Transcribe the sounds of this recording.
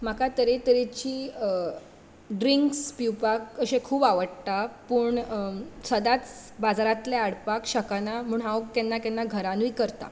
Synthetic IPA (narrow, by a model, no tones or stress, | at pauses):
m̤akat̪əɾet̪əɾit͡ɕiː | ɖɾiŋkspiwpakəɕẽkʰuːbaʋəɽt̪apəɳsəd̪at͡sbad͡zaɾat̪leaɽpakɕəkanamuːɳɦãʋəkɛnːakɛnːaɡʱəɾanuikəɾt̪a̰